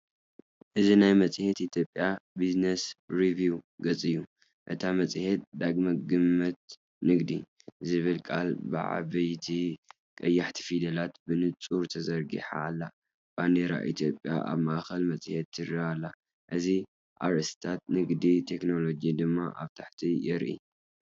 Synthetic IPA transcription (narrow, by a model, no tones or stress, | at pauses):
ʔɨzinajmɐt͡sʼhet̪ʔit̪ʰjo̞pʼːjabiznesɾivuɡɐt͡sʼɨjːu | ʔɨt̪ʰamɐt͡sʼhet̪̚d̪aɡmɐɡɨmːɐt̪̚ | nɨɡd̪i | zɨβɨlkʼa̰lbɨ̰ʕa̰βɐjt̪ʰi | kʼɐjːaħt̪ʰi̥fid̪ɐlat̪bɨnɨt͡sʼuɾt̪ʰɐzɐɾɡḭħa̰ːlːa | b̥and̪eɾa̰ʔḭt̪ʰjo̞pʼːja̰ʔa̰βmaʔaxɐlmɐt͡sʼhet̪ːɨraalːa | ʔɨzi | ʔa̰ɾɨst̪ʰat̪̚nɨɡd̪it̪ʰe̞kno̞lo̞d͡ʒid̪ɨmːa̰ʔaβt̪ʰaħt̪ʰijɛɾʔḭ